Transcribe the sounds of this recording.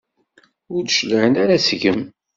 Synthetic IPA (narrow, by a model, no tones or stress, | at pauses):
ʊɾd̪ʃləʕənaɾasʝəm